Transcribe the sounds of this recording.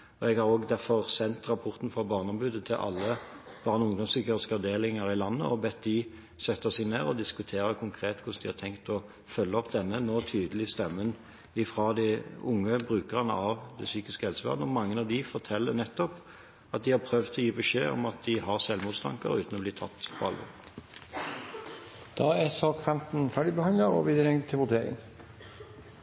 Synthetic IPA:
ɔɛɡhɑɾoːɡd̪æɾfɔʁsɛnt̪ɾɑpʰɔʁt̪n̩fɾɑbɑːʁnɔmbʉːd̪ət̪ʰɪlʔɑ̰lːə | b̥ɑʁnɔʊŋd̪ɔmsyːkəʁskɑʋd̪eːlɪŋəɾɪlɑnːə̰ɔbɛt̪̚d̪ɪ | sɛt̪ːəsɛɡneːʁɔd̪ɪskʉt̪ʰeːɾəkʰʊŋkʰɾeːt̪kʰʊʂsd̪ɪhɑɾt̪ʰɛŋkt̪ɔ | fœlːəɔpd̪ɛnːənoːt̪ʰyːd̪əlɪst̪ɛmːən | ɪfʁɑd̪ɪʊŋːəbʁʉːkəʁɑnə̰ʔɑʋd̪ɛsyːkɪskəɛlsəʋæ̰ʁd̪ɔmɑŋːənɑʋd̪ɪfɔʁt̪ʰɛlːəʁnɛt̪ːɔp | ɑt̪̚d̪ɪhɑpʰɾœʋd̪ʰɔjiːbəʂḛːɔ̰mɑt̪̚d̪ɪɦɑʁsɛlmuːt̪st̪ʰɑ̰ŋkə̰ɾʉːt̪nɔbliːt̪ʰɑt̪ːpʰɔɑ̰lʋɔ̰ʁ | d̪̥ɑːæsɑːkfɛmt̪n̩fæːɖɪbəhɑnd̪əɾɔ̰ʋiːd̪ɾɛŋt̪ʰːɪʋʊd̪eɾɪ̰ə̰ŋ

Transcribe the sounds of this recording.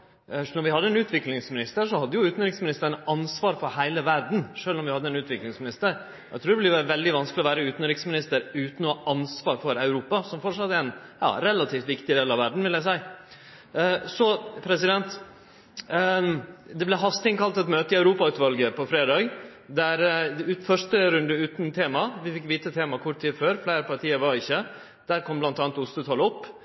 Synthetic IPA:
nɔɾʋɪhɑd̪ːəɛnʉːt̪ʰʋɪklɪŋsmɪnɪst̪əʂɔhɑd̪ːəjʊʉːt̪n̩ɾɪksmɪnɪst̪əɾɳɑnsʋɑːɾfɔɾhæɪləʋæɾɖn̩ʂøːlɔmʋɪhɑd̪ːəɛnʉːt̪ʋɪklɪŋsmɪnɪst̪əɾ | ʔæɪt̪ʰɾuːɖ̪ɛblɪʋæːɾəʋɛld̪ɪʋɑnsklɪɔʋæːɾəʉːt̪n̩ɾɪksmɪnɪst̪əɾʉːt̪n̩ɔʔɑnsʋɑːɾfɔɾɑʉɾuːpɑsɔmfɔʈʂɑt̪ːəɛɾɛnjɑ̰ːɾɛlːɑt̪ʰiːft̪ʋɪkt̪ɪd̪eːlɑʋæɖɳ̩ʋɪljæɪsæɪ | sɔpʰɾɛsɪd̪ɛnt̪ | d̪ɛblɛɦɑst̪ɪŋkɑlt̪ɛt̪møːt̪əɪɑʉɾuːpɑʉːt̪ʋɑlɡəpʰɔfɾeːd̪ɑːɡ | d̪æɾʉːt̪fœʂʈəɾʉnd̪əʉːt̪nt̪ʰeːmɑʋɪfɪkːʋiːt̪ət̪ʰeːmɑkʰʊʈt̪iːd̪føːɾflæɪɾəpʰɑɾʈʰiːəɾʋɑɾɪçːə | d̪̥æɾkʰɔmblɑnt̪ɑːnt̪ʊst̪ət̪ʰɑlɔpː

